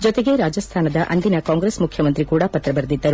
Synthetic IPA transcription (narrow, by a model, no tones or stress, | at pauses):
d͡ʒɔt̪eɡe̞ɾaːd͡ʒɐst̪ʰaːnɐd̪ɐʔɐnd̪inɐkaːŋɡɾeːsmukʰjɐmɐnt̪ɾikuːɽɐpɐt̪ɾɐbɐɾd̪id̪ːɐɾu